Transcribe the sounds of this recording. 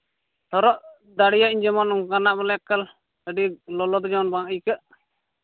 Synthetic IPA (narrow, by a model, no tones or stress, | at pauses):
t̪ʰɔɾɔʔ | d̪aɽijaʔiɲd͡ʒɛmɔnɔŋkanaʔbɛlɛakːal | əɖilɔlɔd̪ɔd͡ʒɔɔnbaʔəjkəʔ